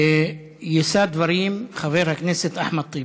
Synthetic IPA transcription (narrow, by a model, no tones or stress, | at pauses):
jesaːd̪vaɾiːmxaveɾhakneset̪ʔaħmad̪̚t̪ˤːiː